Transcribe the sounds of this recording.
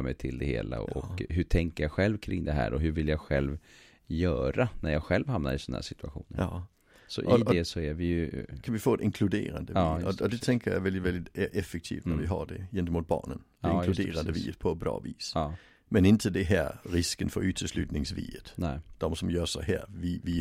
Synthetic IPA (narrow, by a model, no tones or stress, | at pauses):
mɛjt̪ʰɪld̪ɛhḛːla̰ɔ̰kkɦɵʈʰɛŋkəjaɧɛlvkʰɾɪŋːd̪ɛɦæ̰ːɾɔɦɵɾvɪljaɡɧɛlv | jœːɾanæɾjaɧɛlvhamna̰ɾɪsɔnːæ̰ːʂɪt̪ɵaɧuːnəɾ | sɔ̰ʔɪd̪ɛsɔæɾvɪjɵkʰanvɪfoːd̪ɪŋkʰlʉd̪ḛːɾand̪əɑjɔɔd̪ɛt̪ʰɛŋkəjaɪvɛldɪvɛld̪ɪt̪ʔɛfək̚t̪ʰḭːft̪næɾʋɪɦadɛjɛnt̪əmuːt̪̚b̥ɑ̰ːɳənː | d̪eːɾand̪əvḭːət̪̚pʰɔbɾɑ̰ːviːsɑː | mɛnɪnt̪ʰəd̪ɛɦæːɾɪskənfœɾʉːt̪ʰəslʉːt̪nɪŋsvḭːət̪nɛd̪̥ɔmsɔmjœːsaɦæːɾvɪvɪ